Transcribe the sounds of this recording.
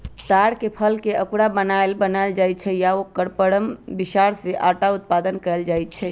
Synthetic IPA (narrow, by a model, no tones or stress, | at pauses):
t̪aɽkepʰəlkeʔəkuɽabənaelbənald͡ʒaj̪̚t͡ʃʰɛjaokəɾpəɽəmbisaɾseʔaʈaut̪̚pad̪ənkəld͡ʒajt̪̚t͡ʃʰɛ